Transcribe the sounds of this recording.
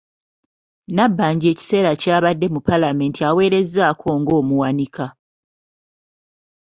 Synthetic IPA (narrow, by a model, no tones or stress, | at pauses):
nabːaːɲɟe̞ːci̥se̞ːɾacaːβadːe̞mupalame̞ːntiawe̞ːɾe̞zːaːkʰo̞ːŋɡo̞ːmuwanika